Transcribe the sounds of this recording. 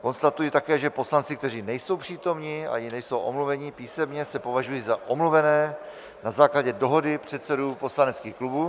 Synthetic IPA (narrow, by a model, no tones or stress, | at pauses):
ko̞nst̪at̪ujit̪akɛːʒɛpo̞slant͡sɪkt̪ɛriːnɛjso̞wpr̥iːt̪o̞mɲia̰jɪnɛjso̞wʔo̰mluvɛɲipiːsɛmɲɛsɛpo̞vaʒujiːzaʔo̞mluvɛnɛː | nazaːklaɟɛdo̞ɦo̞dɪpr̝̥ɛt̪sɛduːpo̞slanɛt͡skiːxklubuː